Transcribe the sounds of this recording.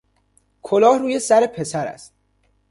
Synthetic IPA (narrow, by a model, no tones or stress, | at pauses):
kʰolɒːhruːje̞sæɾe̞pʰe̞sæɾæ̰st̪